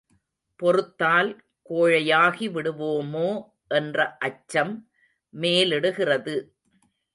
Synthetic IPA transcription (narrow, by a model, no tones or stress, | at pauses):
pɔɾɯt̪ːaːl | koːɻɐjaːɣiʋɪɽɯʋoːmoː | ʔɛndrɐʔɐt͡ʃːɐmː | eːlɪɽɯɣɪrɐðɯ